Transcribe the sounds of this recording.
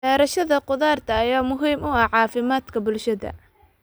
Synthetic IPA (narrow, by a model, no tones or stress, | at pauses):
ɛːɾɐʃɐðɐqʊðaːrt̪ʰɐːjaːmʊɦiːmʊɐʕɑːfɪmaːd̪kʰɐbʊlʃɐðɐ̰